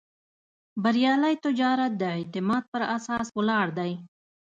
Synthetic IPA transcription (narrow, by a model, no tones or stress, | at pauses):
baɾjɑlajt̪ʊd͡ʒɑɾat̪̚d̪əɪt̪ɪmɑd̪̚pəɾasɑswəlɑɽd̪aj